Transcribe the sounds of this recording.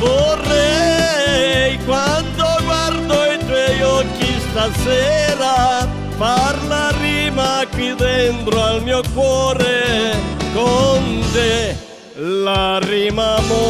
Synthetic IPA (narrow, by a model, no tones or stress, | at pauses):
vorɛ | jkwand̪oɡward̪oit̪wɔjɔkːist̪asɛɾa | parlariːmakwid̪ent̪ɾoalmiːokwɔːɾe | kont̪e | larimamo